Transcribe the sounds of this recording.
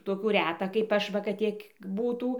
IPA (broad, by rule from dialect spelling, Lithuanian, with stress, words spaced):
toːˈkʲuː ˈrʲæːtɐ kɐɪp ˈɐʃ ˈʋɐ kɐt ˈtʲiɛk ˈbuːtuː